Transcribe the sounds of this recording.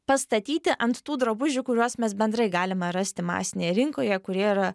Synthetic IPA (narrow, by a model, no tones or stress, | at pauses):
pɐst̪ɐt̪ʲiːt̪ʲɪʔɐnt̪t̪uːd̪ɾɐbʊʒʲʊkʊɾʲuɔsmʲɛsbʲɛnd̪ɾɐɪɡɑːlʲɪmɐɾɐsʲt̪ʲɪmɑ̰ːsʲɪnʲeːjɛɾʲɪŋkoːjɛkʊɾʲiɛiɾɐ